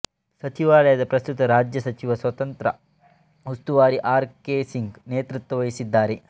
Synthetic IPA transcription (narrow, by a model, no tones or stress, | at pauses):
sɐt͡ʃiʋaːɭɐjɐd̪ɐpɾɐst̪ut̪ɐɾaːd͡ʒjɐsɐt͡ʃiʋɐsʋɐt̪ɐnt̪ɾɐ̰ | ɦust̪uʋaːɽiʔaːɾkeːsiŋɡneːt̪ɾut̪ːwɐʋɐjisid̪ːaːɾe